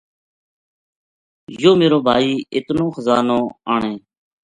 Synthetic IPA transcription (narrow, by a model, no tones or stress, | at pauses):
joːmeːɾoːbʱaːiːɪt̪nõːxəzaːnõːaːɳeː